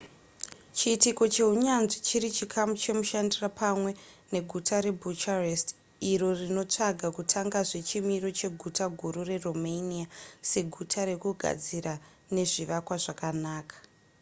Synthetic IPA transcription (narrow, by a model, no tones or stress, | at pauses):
t͡ʃiːtiko̞t͡ʃe̞ɦuɲanʐit͡ʃiɾit͡ʃikʰamut͡ʃe̞muʃandirapʰamwe̞ | ne̞ɡʱutʰaɾe̞bʱut͡ʃarest | iro̞rino̞t͡ʂaɡʱakutʰaŋɡaʐe̞t͡ʃimiro̞t͡ʃe̞ɡʱutaɡʱuɾure̞romeniase̞ɡʱutʰaɾe̞kuɡʱa̰d͡zira | ne̞ʐiʋakwaʐakanaːkḁ